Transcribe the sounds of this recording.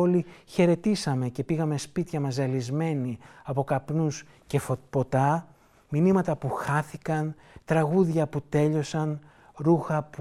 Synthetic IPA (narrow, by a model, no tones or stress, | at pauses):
oliçe̞ɾe̞t̪isɐme̞ce̞piɣɐme̞spit̪çɐmɐzɐlizme̞niɐpo̞kɐpnus | ce̞fopo̞t̪ɐ | minimɐt̪ɐpuxɐθikɐn | t̪ɾɐɣuðʝɐput̪e̞ʎo̞sɐn | ɾuxɐp